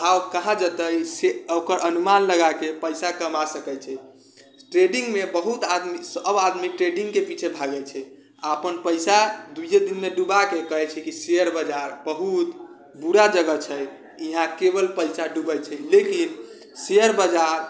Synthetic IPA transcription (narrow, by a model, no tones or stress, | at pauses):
awkəɦãd͡ʒət̪əjseokəɾʔənumanləɡakepəjsakəmasəkɛt͡ʃʰɛ | ʈɾeɖĩŋɡmebəɦut̪ad̪misəbad̪miʈɾeɖĩŋɡkepit͡ʃʰebʱaɡɛt͡ʃʰɛ | aəpənpəɪsad̪ujed̪inmeɖubakekəɦɛt͡ʃʰɛkisejəɾbəd͡ʒaɾbəɦut̪ | buɾad͡ʒəɡət͡ʃʰɛj | iɦãkebəlpəɪsaɖubɛjt͡ʃʰɛlekin | seəɾbəd͡ʒaɾ